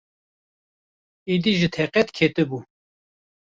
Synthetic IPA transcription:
id̪iʒɨt̪ʰɛqɛt̪kʰeːt̪ɨbu

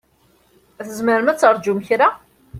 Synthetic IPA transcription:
θəzməɾmæt͡sːəɾˤd͡ʒumçɾa

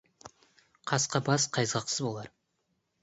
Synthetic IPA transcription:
qʰɑsqɑbɑsqʰɑjzɑqsəzbolˠɑɾ

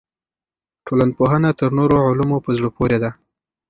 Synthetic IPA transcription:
ʈolanpoɦənat̪əɾnoɾoʕʊlumopəzɽəpoɾed̪a

